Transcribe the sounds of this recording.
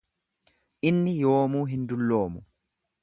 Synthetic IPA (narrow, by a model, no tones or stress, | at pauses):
ʔɪnːɪjo̞ːmuːɦɪnd̪ʊlːo̞ːmʊ